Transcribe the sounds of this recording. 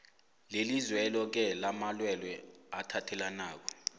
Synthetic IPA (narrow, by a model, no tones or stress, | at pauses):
lelizwɛlɔk̬ɛlamalwɛlwɛatʰatʰɛlanaːk̬ɔ